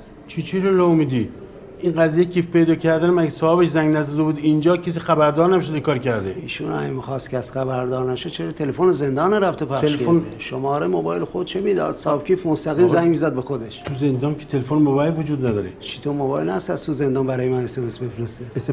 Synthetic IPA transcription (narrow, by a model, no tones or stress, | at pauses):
t͡ʃʰit͡ʃʰiɾolomid̪i | ʔinɢæzijecʰiːfpe̞jd̪ɒːcʰæɾd̪ænmæɡesɒːbeʃzæŋɡnæzɔd̪ebuːd̪ind͡ʒɒːcʰes̬iːxæbæɾd̪ɒːɾnæbeʃod̪ekʰɒːɾcʰæɾd̪eiːʃunæemixɑːst̪kʰʲeæst̪χæβæɾd̪ɒːɾnæʃod̪t͡ʃʰeɾet̪ʰelefoneze̞nd̪ɒːneɾæft̪epʰæɾeʃlfoneʃomɒːɾemobɒːjelxod̪̚t͡ʃʰemid̪ɒ̰ːd̪sɒːbkʰʲiːfmost̪æɣiːmzæŋɡmizæd̪̚bexod̪eʃt̪ʰuzend̪ɒːnkʲʰe̥t̪ʰelefonmobɑːjlvod͡ʒuːd̪næd̪ɒːɾet͡ʃʰi̥t̪ʰomobɒːjelhæst̪æzt̪uzend̪ɑːnmbæɾɒːjemænesemesbefɾeseese